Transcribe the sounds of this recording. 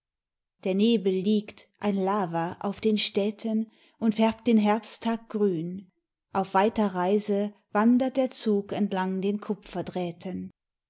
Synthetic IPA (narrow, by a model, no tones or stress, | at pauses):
d̥eːɐneːbl̩ːiːktʔaɪnlaːvɐʔa̰ʊfd̥eːnʃtɛːtʰən | ʔʊntfɛɐp̚t̚d̥eːnɦɛɐpstʰaːk̚ɡ̥ʁyːn | ʔaʊfv̥aɪtɐʁaɪzə | v̥andɐt̚d̥eːɐt͡suːkɛntlaŋdeːnkʰʊpp͡fɐdʁɛːtʰən